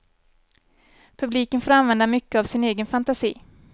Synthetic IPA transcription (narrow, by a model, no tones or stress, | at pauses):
pʰɵbliːkənfoːɾanvɛnd̪amʏkːəavsɪneːɡənfant̪asḭː